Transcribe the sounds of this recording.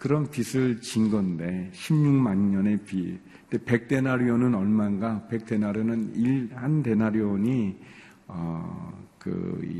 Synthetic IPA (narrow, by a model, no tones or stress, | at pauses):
kɯɾʌnpisʰɯɭt͡ɕinɡʌnde̞ɕʰimɲuŋmaɲɲʌne̞pi | nde̞pe̞k̚t͈e̞naɾionɯnʌɭmanɡape̞k̚t͈e̞naɾjonɯniɭhande̞naɾjoɲi | ʌ̰ | kɯ̰